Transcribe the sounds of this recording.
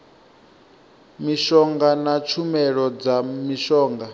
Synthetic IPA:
miʃɔŋɡanat͡ʃʰumɛɺɔd͡zamiʃɔːŋɡa

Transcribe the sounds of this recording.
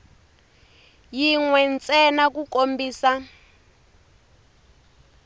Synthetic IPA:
jiŋwɛnt͡sʼɛnak̬ukombiːsa

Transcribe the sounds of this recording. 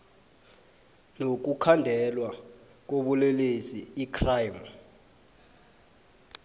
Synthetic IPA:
nok̬ukʰandʱɛlwa | k̬oɓulelesiːkʰrajm

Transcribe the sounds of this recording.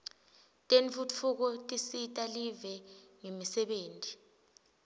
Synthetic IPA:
tʼenfut͡fʰuk̬ɔtʼisitʼalivɛŋemisɛɓeːntʼi

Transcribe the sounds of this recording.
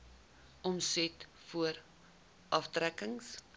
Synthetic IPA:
ɔmsɛt | fuəɾ | ʔɐftrækəŋs

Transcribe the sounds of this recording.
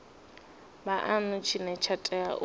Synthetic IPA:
baʔanʊt͡ʃʰinɛt͡ʃʰatʼɛa̰ʔ

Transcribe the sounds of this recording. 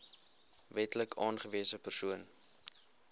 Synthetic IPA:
vɛtləkʰɑːnχəviəsəpərsuən

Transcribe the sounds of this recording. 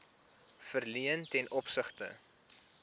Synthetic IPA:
fərliəntɛnʔɔpsəχtə̰

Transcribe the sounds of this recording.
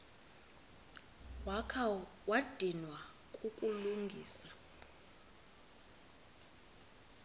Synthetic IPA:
wakʰa | wad̥ʱinwa | kʼukʼuluŋɡʱiːsa

